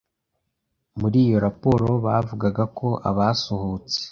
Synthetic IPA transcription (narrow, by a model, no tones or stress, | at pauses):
muɾiːjo̞ɾapo̞ɾo̞βavuɡaɡakʰo̞ʔa̰βasohut͡se̥